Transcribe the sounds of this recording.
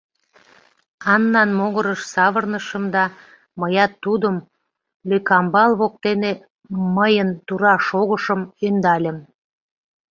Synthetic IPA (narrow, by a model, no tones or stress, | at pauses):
ɑnːɑnmoɣəɾəʃsɑβərnəʃəmd̪ɑ | məjɑt̪ːud̪əm | lykɑmbɑlβok̚t̪ene | məjənt̪uɾɑʃoɣəʃəmønd̪ɑlʲəm